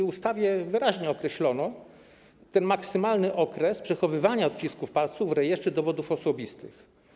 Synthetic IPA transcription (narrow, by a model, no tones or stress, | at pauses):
ust̪avʲjɛvɘɾaʑɲɛɔkɾɛɕlɔnɔ | t̪ɛnmaksɘmalnɘʔɔkɾɛspʂɛxɔvɘvaɲaɔt̪̚t͡ɕiskufpalt̪sufɾɛjɛʂt̪ɾɘd̪ɔvɔd̪ufɔsɔbʲist̪ɘx